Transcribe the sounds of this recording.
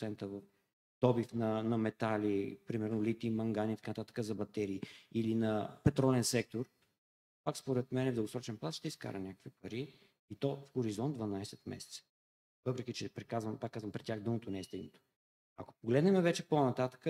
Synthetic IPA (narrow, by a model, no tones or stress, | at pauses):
sɛnt̪əvf | d̪̥ɔbifnɐnɐmɛt̪alipɾimɛɾnolit̪imɐŋɡaniːt̪ɐkanət̪at̪ə̥kəzɐbɐt̪ɛɾiːilinɐpɛt̪ɾɔlɛnsɛk̚t̪oɾ | pakspoɾɛt̪mɛnɛvd̪ləɡosɾɔt͡ʃɛnplˠaʃt̪ɛiska̰ɾɐnʲakə̥kvipɐɾiː | t̪ɔfxoɾizɔnd̪vɐnajsɛt̪mɛ̰sɛ̥t̪sə̥ | vɤpɾɛk̟ʲit͡ʃɛpɾɛkazvəmpakːazvɐmpɾɛt̪ʲːjaxd̪ɤmot̪onɛːst̪ɛɡnot̪o̥ | ɐ̰ko̥poɡlɛd̪nɛmɛvɛt͡ʃɛponɐt̪at̪ə̥kə